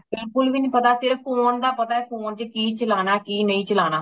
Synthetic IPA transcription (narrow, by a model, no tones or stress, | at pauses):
bɪlkʊlʋiːnĩːpət̪aːsɪɾəp̚ʰːoːnd̪aːpət̪aːɛːpʰoːnt͡ʃəkiːt͡ʃəlaːnaːkiːnəĩːt͡ʃəlaːnaː